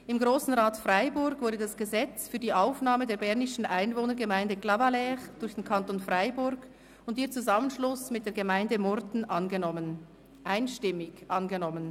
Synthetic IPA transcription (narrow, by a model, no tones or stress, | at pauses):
ʔɪmɡʁoːsn̩ʁaːtfraɪbʊɾɡvʊɐdədasɡ̥əzɛt͡sfyːdiːʔaʊfnaːmədeːɐbɛɐnɪʃn̩ʔaɪnvoːnəɐɾɡəmaɪndəklavalɛʁd̥ʊɾçd̥enkʰantoːnfʁaɪbʊɾɡ | ʊntiːɐt͡suzamənʃlʊsmɪt̚d̥eːɐɡəmaɪndəmɔʁdn̩ʔanɡənɔmən | ʔaɪnʃtɪmɪçʔanɡənɔmən